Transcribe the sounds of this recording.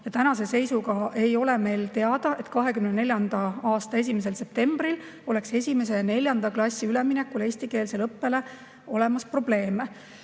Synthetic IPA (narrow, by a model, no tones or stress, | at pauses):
jɑt̪ænɑse̞se̞jsuɡɑe̞jo̞le̞me̞jlt̪e̞ɑd̪̥ɑʔe̞t̪kɑɦe̞kymnene̞lʲjɑnd̪ɑɑːst̪ɑe̞s̬ʲimes̬else̞p̚t̪e̞mb̥ril | o̞le̞kse̞sʲime̞s̬e̞ne̞lʲjɑnd̪ɑklɑsʲːiyle̞minekːule̞ːsʲt̪ike̞ːlselɤpːe̞le̞ | o̞le̞mɑspro̞ble̞ːme